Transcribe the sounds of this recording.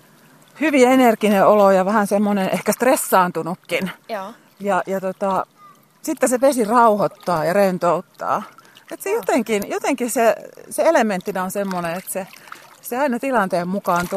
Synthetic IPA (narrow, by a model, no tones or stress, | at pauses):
hyʋienerkineʔolojɑʋæhænsemːonenʔḛhkæst̪resːɑːnt̪unukːin | jɑjɑt̪ot̪ɑ | sit̪ːesepesirɑuhot̪ːɑːjɑrent̪out̪ːɑ̰ːet̪sejot̪eŋkinjot̪eŋkisseseelemːˑent̪ːinæonsemːoneet̪seseɑinɑt̪ilɑnt̪eːmmukɑːnt̪